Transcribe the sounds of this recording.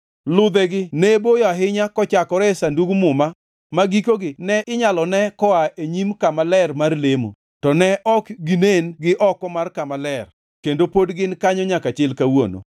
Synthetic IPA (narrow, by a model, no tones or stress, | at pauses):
lʊd̪ɛɡɪnɛbojɔaɦɪɲakɔt͡ʃakɔɾɛsanduɡmʊma | maɡikoɡɪnɛʔɪɲalɔnɛkɔaeɲimkamalɛrmarlemo̰ | tɔnɛʔɔkɡinenɡɪʔɔkɔmarkamalɛr | kendopodɡɪnkaɲɔɲakat͡ʃɪlkawo̰no̰